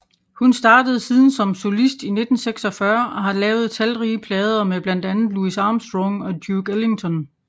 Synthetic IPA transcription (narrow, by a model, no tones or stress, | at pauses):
hunsd̥ɑ̈ːd̥əð̞̩ˠsiːð̞ˠn̩sɒ̽mso̝lisd̥ine̝d̥n̩seɡ̥sɒ̽fɶɐʔɒ̽ɦɑ̈lɛːʊð̞̩ˠt͡sʰælʁiːəpʰlɛːð̞ˠɐmeb̥læn̰d̥ænð̩ˠluisɑ̈ːmsd̥ʁɔŋɒ̽d̥juɡ̥ele̝ŋt͡sʰɒ̽n